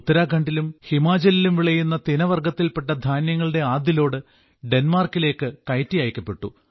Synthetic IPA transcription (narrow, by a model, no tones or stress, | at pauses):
ut̪ːɐɾaːkɐɳɖilumhimaːd͡ʑɐlilumʋiɭɐjunːɐt̪inɐʋɐrɡɐt̪ːilpe̞ʈːɐd̪ʱaːnjɐŋːɐɭɨɽe̞aːd̪jilo̞ːɽɨ | ɖe̞nmaːrkile̞ːkːɨkɐjtːijaːjkʲːɐpːe̞ʈːu